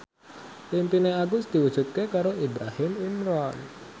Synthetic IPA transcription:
pimpineaɡʊsd̪̥i̤wud̥ʒ̥ut̪̚kekaɾoʔibɾahɪmimɾɔn

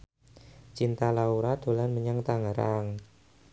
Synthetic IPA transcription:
t͡ʃint̪alauɾad̪̥o̤lanməɲaŋt̪aŋaɾaŋ

